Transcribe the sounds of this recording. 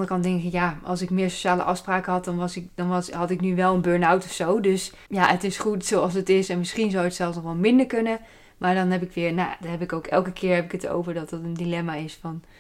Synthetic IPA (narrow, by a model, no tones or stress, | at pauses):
ndərəkɑndɛŋkkɪkjaɑ̰lˠsɪkmɪːɹso̥ʃaːlə̰ʔɑfspraːkəɦɑt̚dɑnʋɑsɪkdɑnɑsɦɑtɪknyʋɛlˠənbøːɹnawtɔfsowdøs | jaətɪsχutsowɑlˠsətɪsɛnmɪsχinzawətsɛlˠfsnɔχʋɛlˠmɪndəɹkɵnə | maːɹdɑnɦɛp̬ɪkʋɪːɹna̰dɔɦɛpɪkowkɛlˠkəkʰɪːɹɦɛpɪkəto̰wvəɹdɑtdɑtəndilɛmaɪsfɑn